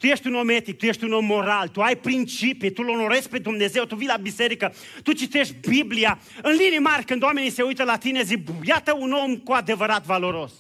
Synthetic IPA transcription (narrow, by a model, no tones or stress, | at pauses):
t̪uje̞ʃt̪ʲuno̞met̪ik̚t̪uje̞ʃt̪ʲuno̞mːo̞ɾalt̪uajpɾint͡ʃipit̪ulo̞no̞ɾespe̞d̪umne̞ze̞wt̪uvijlabise̞ɾikə | t̪ut͡ʃit̪e̞ʃt̪ʲbiblia | ɨnlinimarʲkɨnd̪oame̞nise̞ujt̪əlat̪ine̞zikbjat̪əuno̞mkuad̪e̞vəɾat̪valo̞ɾo̞s